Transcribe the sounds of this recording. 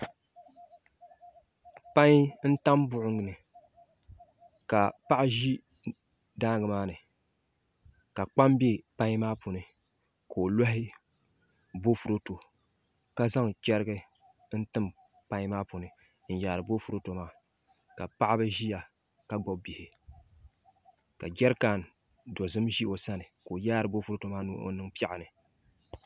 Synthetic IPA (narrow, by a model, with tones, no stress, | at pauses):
pa˦ɲ˦n̩˦ta˦mbʊ˦ʔʊ˦ŋɨ˨nɨ˨ | ka˨pa˦ʔa˦ʒi˦ | daː˦ɡɨ˨maː˦nɨ˨ | ka˨k͡pa˦m˦be˦pa˦ɲ˦maː˦po˨nɨ˨ | ko˨o˨la˦ɦɪ˦ | bo˦fu˨ɾo˦to˨ | ka˦za˦ŋt͡ʃɛ˦ɾɨ˦ɡɨ˦ | n̩˦tɨ˦m | pa˦ɲ˦maː˦pu˨nɨ˨ | n̩˦jaː˨ɾɨ˨bo˦fu˨ɾo˦to˨maː˦ | ka˨pa˦ʔa˦bɨ˦ʒi˦ja˨ | ka˨ɡ͡bɔ˦b̚bi˨hɪ˨ | ka˨d͡ʒɛ˦ɾka˨n˨ | do˨zɨ˦mʒi˦ʔo˨sa˦nɨ˨ko˨ja˦ɾɨ˨bo˦fu˦ɾo˦to˨maː˦nu˦ʔo̰˦nɨ˦ŋpa˦ʔa˨nɨ˨